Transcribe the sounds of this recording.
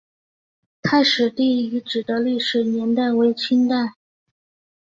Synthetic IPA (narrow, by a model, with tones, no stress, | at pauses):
kʰa˥ɪʂɻ̩˨˩t̪i˥˩˥y˧˥ʈ͡ʂɻ̩˨˩d̪ə˦li˥˩ʂɻ̩˨˩njɛ˧˥nt̪a˥˩ɪwe˧˥ɪt͡ɕʰy˥nt̪a˥˩ɪ